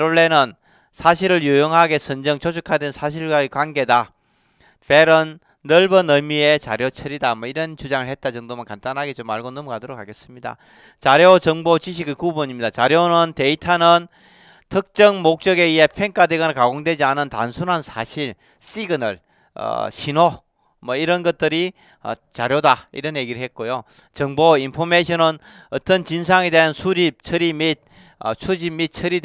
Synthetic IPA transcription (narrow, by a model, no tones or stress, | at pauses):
ɾoɭːe̞nɯn | sʰaɕ̬ʰiɾɯɭjujoŋɦaɡe̞sʰɯnd͡ʑʌŋt͡ɕʰod͡ʑʰukʰadensʰaɕ̬ʰiɭɡwaekwanɡe̞da | peɾɯnː | ʌɭbʌnʌmie̞t͡ɕa̰ɾjot͡ɕʰʌɾidamwʌiɾʌnt͡ɕud͡ʑaŋɯɭhe̞t̚t͈at͡ɕʌŋdomankantanɦaɡet͡ɕomaɭɡonʌmʌɡadoɾokʰaɡe̞s͈ɯmɲida̰ | t͡ɕaɾjot͡ɕʌŋbot͡ɕiɕ̬ʰiɡekuboɲimɲidat͡ɕaɾjonɯnte̞itʰanɯn | tʰɯk̚t͡ɕ͈ʌŋmok̚t͡ɕ͈ʌɡe̞iɦe̞pʰe̞ŋk͈ʰadeɡɯnakaɡoŋdwe̞d͡ʑianɯnta̰nsʰunɦansʰa̰ɕʰiɭ | s͈iɡɯnɯɭ | ʌ̰ɕʰino | mʌiɾʌnɡʌt̚t͈ɯɾi | ʌ̰t͡ɕaɾjodaḭɾʌnjeɡiɾɯɭɦe̞t̚k͈ojo | t͡ɕʌŋboinpʰomeɕʰʌnɯn | ʌt͈ʌnt͡ɕinsʰaŋedeɦansʰud͡ʑip̚t͡ɕʰʌɾimit̚ | ʌ̰sʰud͡ʑimːit̚t͡ɕʰɯɾid